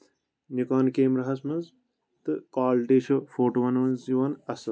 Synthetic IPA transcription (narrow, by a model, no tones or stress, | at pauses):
njukaːnkeːmɾɐɦɐsmɐz | t̪ɨkaːlʈeːʃɐfʰoːʈuʋɐnʋɐnsiʋɐnɐsʋɐ